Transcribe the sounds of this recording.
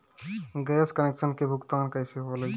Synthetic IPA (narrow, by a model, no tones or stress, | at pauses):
ɡeːskəneːksənkebʱʊɡt̪aːnkəɪseɦole